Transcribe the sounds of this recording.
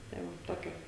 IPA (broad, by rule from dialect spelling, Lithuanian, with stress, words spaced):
ˈtɐɪ ˈmʊm ˈtoːkʲɛ